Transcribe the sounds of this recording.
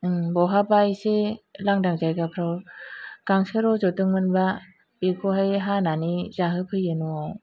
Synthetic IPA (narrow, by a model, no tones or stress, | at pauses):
ɯbɔɦabajselaŋdaŋzajkapʰɾawkaŋsɯɾɔzɔtɯŋmɯnba | pekʰoɦajɦananizaɦɯpʰɯjɯnua